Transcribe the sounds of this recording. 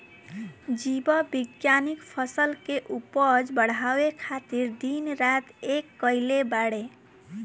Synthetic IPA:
d͡ʒibəbiɡjanikpʰəsəlkeʔupəd͡ʒbəɽ̤awekʰat̪iɾd̪inɾat̪ekːəɪlebaɽe

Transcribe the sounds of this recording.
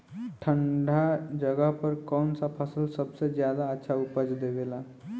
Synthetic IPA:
ʈʰəɳɖʱad͡ʒəɡəɦpəɾkɔnsapʰəsəlsəbsed͡ʒjad̪aətːʃʰaupəd͡ʒd̪ebela

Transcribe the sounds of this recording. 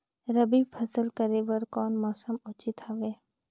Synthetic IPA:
ɾəbibpʰəsəlkəɾebəɾkɔːnmɔːsəmʊːt͡ʃit̪aʋeː

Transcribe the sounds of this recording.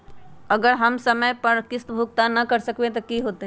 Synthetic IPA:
ɐɡəɾɦɐmsɐməjpɐɾkɪst̪bʱʊk̚t̪anɐkɐɾsɐkwet̪̬okiɦoːt̪e

